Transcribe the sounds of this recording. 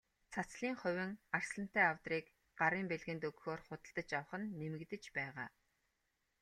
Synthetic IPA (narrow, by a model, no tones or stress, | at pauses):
t͡sʰat͡sɮiːŋχʊwʲɘ̆ŋar̥sɮə̆n̥t̪æːawt̪riːk | ɢ̥aɾiːmpeɮɣɘ̆nt̪ɵɣxoːrχʊt̪ə̆ɮt̪ə̆t͡ɕaw̆χə̆nːemɘ̆ɣt̪ɘ̆t͡ɕpæːʁaː